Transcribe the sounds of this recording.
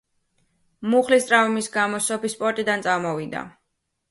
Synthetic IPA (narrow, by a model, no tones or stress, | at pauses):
muχlist̪ʼɾavmisɡamɔsɔpispʼɔɾt̪ʼid̪ant̪sʼamɔvid̪a̰